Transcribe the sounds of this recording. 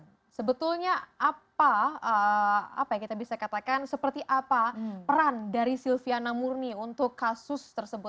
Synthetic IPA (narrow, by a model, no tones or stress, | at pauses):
səbət̪ulɲaʔapaəa̰pajaŋkit̪abisakat̪akansəpərt̪iʔapapəɾandaɾisilfianamurniunt̪ʊkːasʊst̪ərsəbʊt̚